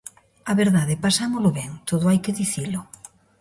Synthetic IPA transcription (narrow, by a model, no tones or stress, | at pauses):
aβeɾðaðepasamoloβeŋt̪oðoajkeðiθilo